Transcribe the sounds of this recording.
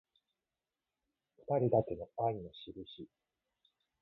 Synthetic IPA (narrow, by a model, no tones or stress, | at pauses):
ɸɯ̥t̪aɾʲid̪ake̞no̞aino̞ɕiɾɯ̟ɕi